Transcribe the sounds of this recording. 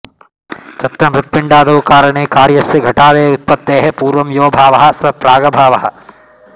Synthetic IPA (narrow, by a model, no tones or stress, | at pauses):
t̪ɐt̪ɾɐmɾut̪̚piɳɖaːd̪ɐʋkaːɾɐɳeːkaːɾjɐsːɐɡʱɐʈaːd̪eːut̪̚pɐt̪ːeːɦepuːɾʋɐmjoːbʱaːʋɐɦɐ̆sʋɐpɾaːɡɐbʱaːʋɐɦɐ̆